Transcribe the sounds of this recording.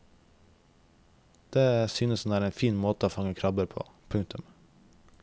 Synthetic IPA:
d̪̥eːsyːnəsnæːɾeːnfiːnmoːt̪əoːfɑŋəkʰɾɑbəɾpʰo̰ːpʰʉŋk̚t̪ʉm

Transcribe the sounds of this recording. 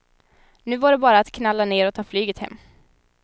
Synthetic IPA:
nʉ̟ːvaɖɛbɑːɾaːt̪kʰnalːaneːɾɔt̪ʰɑːflyːɡət̪hɛ̰mː

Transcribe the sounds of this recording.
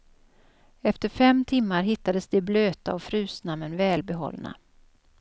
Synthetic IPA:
ɛft̪əɾfɛmt̪ʰɪmːaɾɦɪt̪ːad̪əsd̪ɛbløːt̪aɔfɾʉ̟ːsnamːənvɛːlbɛɦɔ̰lːna̰

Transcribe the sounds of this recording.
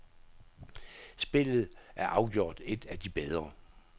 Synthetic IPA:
sb̥e̝lð̩ˠʔæɐʔɑ̈ʊɡ̥jo̝̰ːd̥e̝d̥æd̥ib̥eð̞ˠʁɐ

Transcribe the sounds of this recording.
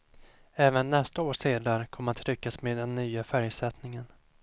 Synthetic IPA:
ɛːvənːɛst̪aoːʂeːd̪aɾəkʰɔmːəɾat̪ʰɾʏkːasmeːd̪ːɛnːyːafæɾjsɛt̪nɪŋən

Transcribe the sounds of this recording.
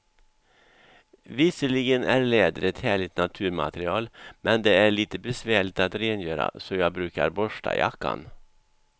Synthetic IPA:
vɪsəɭɪɡənæɾɭɛːd̪əɾɛt̪hæːɭɪt̪nat̪ʰʉ̟ːɾma̰t̪ɾɪɑːlmɛnd̪ɛæɭiːt̪əbɛsvæːɭɪɡt̪at̪ɾeːnjøːɾa̰sɔjɑːɡbɾʉ̟ːka̰ɾbɔʂʈa̰ja̰kːa̰n

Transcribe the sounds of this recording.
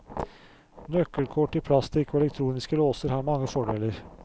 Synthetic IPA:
nœkːəlkʰɔʈɪpʰlɑst̪ʰɪɪkʰʋɛlɛk̚t̪ʰɾuːnɪskəloːsəɾhɑːɾmɑŋːəfɔɖeːləɾ

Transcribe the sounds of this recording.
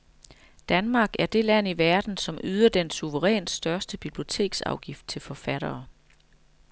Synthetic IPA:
d̥ænmɑ̈ːɡ̥æɐd̥e̝læn̰iʋæɐd̥n̩sɒ̽myːð̞ˠɐd̥ensuʋəʁɛ̰ːn̥sd̥ɶɐsd̥əb̥ib̥lio̝t͡sʰe̝̰ːɡ̥sɑ̈ʊɡ̥ifd̥̚t͡sʰe̝lfɒ̽fæɾ̥ɐː

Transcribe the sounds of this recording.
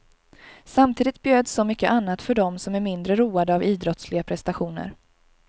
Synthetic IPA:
samt̪ʰiːd̪ɪt̪̚bjøːd̪sɔmʏkːəʔanːat̪fœɖɔmsɔmæɾmɪnd̪ɾəɾuːad̪əaviːd̪ɾɔt̪slɪɡapʰɾɛst̪aɧuːnə̰ɾ

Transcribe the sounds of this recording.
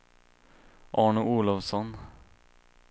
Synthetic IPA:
ʔɑːɳʊʔuːlɔʋsɔn

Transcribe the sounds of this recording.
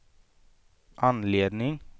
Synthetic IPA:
ʔɑnleːd̪nɪŋ

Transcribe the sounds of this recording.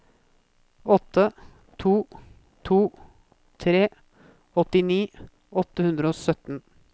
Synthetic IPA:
ɔt̪ːə | t̪ʰuː | t̪ʰuː | t̪ʰɾeː | ɔt̪ɪniː | ɔt̪ːəhʉnd̪ɾəoːsœt̪n̩

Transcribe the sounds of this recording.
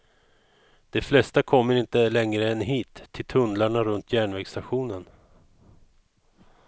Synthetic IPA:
d̪̥ɛflɛst̪akʰɔmːəɾɪnt̪əlɛŋɾəɛnɦiːt̪ʰːɪlt̪ʰɵnd̪laɳaɾɵnt̪ʰjæːɳvɛːɡst̪aɧuːnən

